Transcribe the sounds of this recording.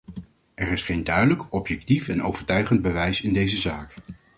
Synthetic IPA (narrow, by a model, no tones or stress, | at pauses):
ʔɛrɪsχejndœɥdələkɔpjɛk̚tifɛno̰wv̥əɹtœɥχənd̚bəʋɛjsɪndejzəzaːk